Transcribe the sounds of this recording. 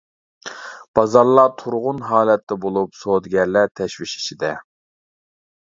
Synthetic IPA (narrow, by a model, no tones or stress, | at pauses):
b̥ɑzɑɾlˠɑt̪ʰuɾʁʊnɦɑːlɛt̪ːɛbolˠupsod̪ɡʲɛɾlæt̪ʰɛʃviʃi̥t͡ʃʰid̪ɛ